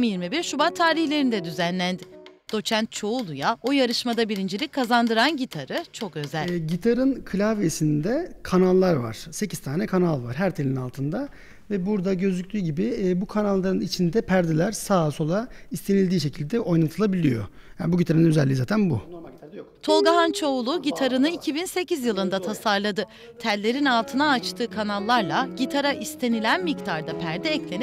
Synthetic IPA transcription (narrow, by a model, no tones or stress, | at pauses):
mjiɾmibiɾʃubat̪ʰaːɾiçhlʲe̞ɾind̪ɛd̪yzænlʲænd̪ɪd̪̥o̞t͡ʃʰænt̪̚t͡ʃʰo̞ulˠujaojaɾɯʃmad̪abiɾind͡ʒelʲickʰːazand̪ɯɾanɟit̪ʰaɾɯt͡ʃʰo̞kø̞zælʲɟit̪ʰaɾɯnkʰɯlʲaːvesind̪ɛkʰanalˠːaɾva̰ɾ̥se̞cʰizt̪ʰaːnɛkʰanalˠvaɾɦæɾt̪ʰelʲinalˠt̪ʰɯnd̪a | vɛbuɾd̪aɟø̞zycʲt̪ʰyːɟibibukʰanalˠːaɾɯnit͡ʃʰind̪ɛpʰæɾd̪elʲæɾsaːso̞lˠaist̪ʰe̞nilʲd̪iːʃ̬e̞cʰilʲd̪ɛʔo̞jnat̪ʰɯlˠabilʲijo̰ | jaːnbuɟit̪ʰaɾɯnnøzɛlʲːizaːt̪ʰænbṵ | t̪ʰo̞lˠɡaɦant͡ʃʰo̞ulˠʊɟit̪ʰaɾɯnɯicʰibinse̞cizjɯlˠɯnd̪at̪ʰasaɾlˠad̪ɯ | t̪ʰælʲːe̞ɾinalˠt̪ʰɯnaːt͡ʃt̪ʰɯːkʰanalˠːaɾlˠaɟit̪ʰaɾaʔist̪ʰe̞nilʲænmict̪ʰaɾd̪apʰæɾd̪ɛːclʲe̞n